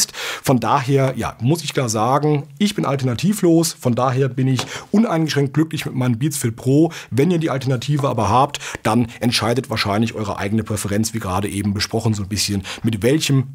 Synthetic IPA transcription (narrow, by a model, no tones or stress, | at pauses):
stfɔndaːɦeːɐja̰ːmʊsɪçkl̥aːɐzaːɡŋ̩ʔɪçb̥ɪnʔa̰ltɐnatʰiːfloːsfɔndaːɦeːɐbɪnɪçʔʊnʔaɪnɡəʃʁ̥ɛŋkt̚ɡ̥lʏklɪçmɪtmaɪnəmbiːt͡sfɪlt̚pʁ̥oːvɛniːɐdiːʔaltɛɐnatʰiːvəʔa̰ːbɐɦaːptd̥anʔɛntʃaɪdətv̥aːɐʃaɪnlɪçʔɔʏʁə̰ʔa̰ɪɡənəpʁ̥ɛfəʁɛnt͡sv̥iːɡəʁaːdəʔeːbm̩bəʃpʁ̥ɔχn̩zoːnbɪsçənmɪtvɛlçəm